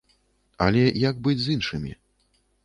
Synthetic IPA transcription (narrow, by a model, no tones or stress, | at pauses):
ɐ̰lʲɛjaɡ̚bɨd͡zʲzinʂɨmʲḭ